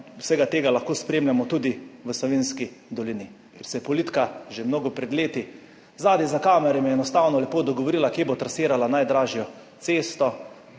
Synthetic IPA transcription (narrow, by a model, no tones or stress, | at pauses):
wsɛɡat̪eːɡalaxkoːspɾeːmlʲamɔt̪uːd̪iʋəslɔʋenskid̪ɔlini | kɛɾsɛjɛpɔliːt̪kaʒemnoːɡɔpɾɛd̪leːt̪i | zaːd̪ɛzakaːmɛɾɛmjɛɛnɔst̪aːwnɔlɛpoːd̪ɔɡɔʋɔɾilakjeːbot̪ɾasiːɾalanajd̪ɾaːʒijɔ | t̪seːst̪ɔ